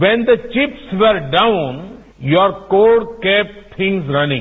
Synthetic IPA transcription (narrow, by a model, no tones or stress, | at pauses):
ʋɛ̃nd̪ət͡ʃɪpsʋeɾɖaʊ̃n | jɔɾkoːɖkep̚t̪ʰɪ̃ŋzɾɐnɪ̃ŋ